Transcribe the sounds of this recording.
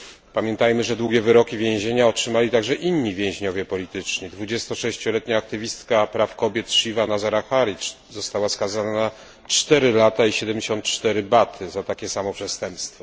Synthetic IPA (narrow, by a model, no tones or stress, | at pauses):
pamʲjɛnt̪ajmɘʐɛd̪wuɡʲjɛvɘɾɔkʲivʲjẽʑeɲaɔtʂɘmalʲit̪aɡʐɛʔinːivʲjɛ̃ʑɲɔvʲjɛpɔlʲit̪ɘt͡ʂɲid̪vud͡ʑɛst̪ɔʂɛɕt͡ɕɔlɛt̪ɲaːk̚t̪ɘvʲist̪kapɾafkɔbʲjɛt̪ʂivanazaɾaxaɾʲi | zɔst̪awaskazana | t͡ʂt̪ɛɾɘlat̪aiɕɛd̪ɛmd͡ʑeɕɔnt̪t͡ʂt̪ɛɾɘbat̪ʰɘzat̪akʲɛsamɔpʂɛst̪ɛmpst̪fɔ